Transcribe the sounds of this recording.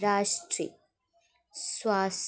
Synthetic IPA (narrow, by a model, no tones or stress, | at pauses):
ɾaːʂʈɾḭ | swaːs